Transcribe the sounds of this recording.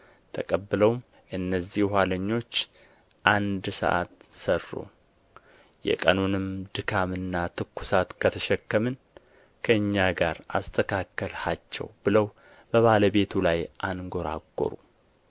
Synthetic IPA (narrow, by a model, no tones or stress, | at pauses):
t̪ʰəkʼəbːɨləwm | ʔɨnːəzːihhʷaləɲːo̞t͡ʃː | ʔand̪sə̰ʔa̰t̪sərːṵ | jɛ̰kʼənunɨmd̪ɨkʰamɨnːat̪ʰɨkːu̥sat̪kʰət̪ʰəʃɛkːəmɨn | kʰəɨɲːaɡaɾʔa̰st̪ʰəkʰakːəlhat͡ʃːɛ̰wbɨləw | b̥əβaləβe̞t̪ʰulajʔanɡo̞ɾa̰ɡːo̰ɾu